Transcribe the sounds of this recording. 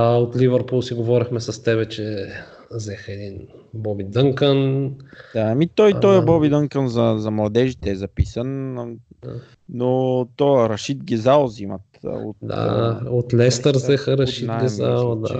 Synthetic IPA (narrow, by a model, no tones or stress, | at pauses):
ot̪livəɾpulˠsiɡovɔɾixmɛsɐst̪ɛβɛt͡ʃɛ | zɛxɛd̪inbɔbid̪əŋkənd̪amit̪ɔjt̪ɔjɐbɔbid̪əŋkənzɐzɐmlˠɐd̪ɛʒit̪ɛːzɐpisən | ot̪ɔəɾɐʃit̪ɡʲɛzalˠzimɐt̪o̰t̪d̪a̰ot̪lɛst̪əɾzɛxəɾɐʃinaɡʲɛza̰lˠd̪a̰